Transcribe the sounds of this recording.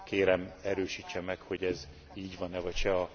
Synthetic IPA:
keːɾɛmɛɾøːʃiːt͡ʃːɛmɛkho̞ɟɛz | iːɟʋɒnɛvɒcʃɛɒ

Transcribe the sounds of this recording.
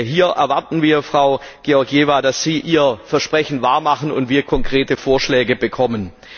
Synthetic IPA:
ɦiːɐʔɛ̰ɐvaɐtn̩viːɐfʁ̥aʊɡ̥eɔɐɡjeːvadasz̥iːʔiːɐfɛɐʃpʁ̥ɛçn̩vaːɐmaχən̩ʊ̰ntv̥iːɐkʰɔŋkʁ̥eːtəfoːɐʃlɛːɡəbəkʰɔmən

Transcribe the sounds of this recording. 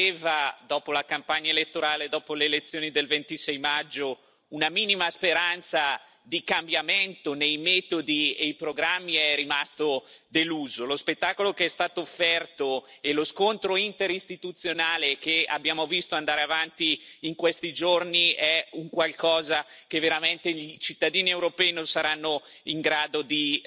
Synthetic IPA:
eːvad̪ɔːpolakampaɲːaelet̪ːoɾaːled̪ɔːpoleːlet̪sːjoːnid̪elvent̪isɛjmad͡ʒːo | unamiːnimaspeɾant̪sa | d̪ikambjament̪onejmɛːt̪od̪iejpɾoɡɾamːiɛrimast̪o | d̪eluːzolospet̪ːaːkolokeɛst̪aːt̪oːfːɛrt̪oeloskont̪ɾoint̪eɾist̪it̪ut̪sːjonaːlekea̰bjaːmovist̪oand̪aːɾeavant̪iːŋkwest̪id͡ʒorniɛuŋkwalkɔːzak̟evːeɾament̪eʎit͡ʃit̪ːad̪iːniewɾopɛːinõnsaɾanːo | iŋɡɾaːd̪od̪i

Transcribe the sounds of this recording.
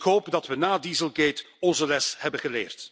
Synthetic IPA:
kɦoːpdɑtʋənaːdiːzəlˠɡejt | ɔnzəlɛshɛbənɣəlḛːrt

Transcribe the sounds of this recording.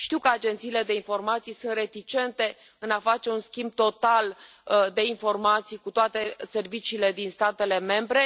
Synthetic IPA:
ʃt̪iwkəad͡ʒe̞nt̪siːle̞d̪e̞info̞rmat̪sijsunt̪re̞t̪it͡ʃe̞nt̪e̞ | ɨnafat͡ʃeunskʲimb̚t̪o̞t̪al | d̪e̞info̞rmat̪sijkut̪oat̪e̞se̞rvit͡ʃiːle̞d̪inst̪at̪e̞le̞me̞mbɾe̞

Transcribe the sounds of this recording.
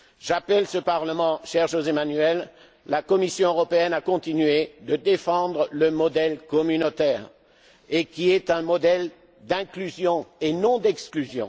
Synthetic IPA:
ʒapɛlsəpaʁləmɑ̃ʃɛʁʒozemanɥɛlː | akɔmisjɔ̃øʁɔpeɛnakɔ̃t̪inɥed̪əd̪efɑ̃d̪ʁələmɔd̪ɛlkɔmynot̪ɛːʁ | ekʲiɛt̪ɛ̃mɔd̪ɛl | d̪ɛ̃klyzjɔ̃enɔ̃d̪ɛksklyzjɔ̰̃

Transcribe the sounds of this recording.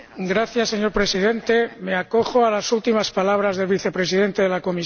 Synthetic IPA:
ɡɾaθjasːeɲo̞ɾpɾe̞sið̞e̞nt̪e̞me̞ako̞xoalasult̪imaspalaβ̞ɾazðe̞lβiθe̞pɾe̞sið̞e̞nt̪e̞ðelako̞mi

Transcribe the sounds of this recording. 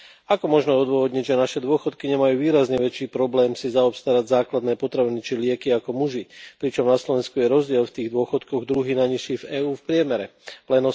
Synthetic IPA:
akɔmɔʒnɔɔd̪ʊɔʋɔd̪ɲiɟʒɛnaʃɛd̪ʊɔxɔt̪kiɲɛmajuːʋiːɾazɲɛʋɛt͡ʃiːpɾɔblɛːmsizaɔpst̪aɾaɟzaːklad̪nɛːpɔt̪ɾaʋinit͡ʃilɪɛkiakɔmuʒipɾit͡ʃɔmnaslɔʋɛnskujɛɾɔzɟɪɛlft̪iːɣd̪ʊɔxɔt̪kɔɣd̪ɾuɦinaɲiʃivɛːuːfpɾɪɛmɛɾɛlɛnɔ

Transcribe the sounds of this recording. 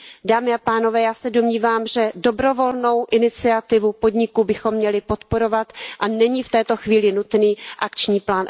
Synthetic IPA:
daːmɪapaːno̞vɛːjaːsɛdo̞mɲiːvaːmʒɛdo̞bɾo̞vo̞lno̞wʔɪnɪt͡sɪat̪ɪvupo̞dɲɪkubɪxo̞mːɲɛlɪpo̞t̪po̞ɾo̞vat̪ʔanɛɲift̪ɛːt̪o̞xviːlɪnut̪niːʔakt͡ʃɲiːplaːn

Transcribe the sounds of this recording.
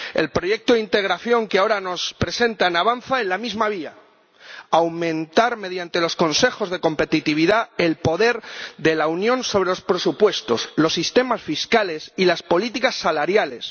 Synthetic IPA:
e̞̰lpɾo̞je̞k̚t̪oðint̪e̞ɣ̞ɾaθjo̞ŋkeao̞ɾano̞spɾe̞se̞nt̪anaβanθaelamizmaβ̞ia | awmẽ̞nt̪aɾme̞ðjant̪e̞lo̞sko̞nse̞xo̞zðe̞ko̞mpe̞t̪it̪iβ̞iðaelpo̞ðe̞ɾðe̞launjõ̞nso̞β̞ɾe̞lo̞spɾe̞supwe̞st̪o̞slo̞sːist̪e̞masfiskale̞silaspo̞lit̪ikasːalaɾjale̞s

